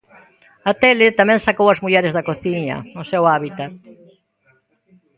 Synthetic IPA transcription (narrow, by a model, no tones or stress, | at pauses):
ɐt̪elɪt̪amɛ̃ŋsakowɐzmuʎɛɾɪzðɐkoθiɲɐ̰ʊsewaβit̪at̪